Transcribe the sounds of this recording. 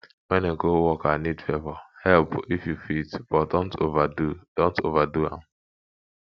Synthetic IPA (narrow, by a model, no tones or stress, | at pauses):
wɛ̃neɡowɔkanidfɛvɔhɛlpifjufitb̥ɔdõntʰovadud̥õntovaduã̰m